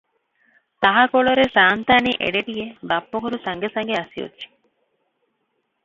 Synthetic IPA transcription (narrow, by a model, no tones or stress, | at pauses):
t̪ɐɦakoɭoɾesaːnt̪aːniːʔḛɖeʈijebɐpːokuɾusɐŋɡesɐŋɡeɐsio̰tːt͡ʃe̥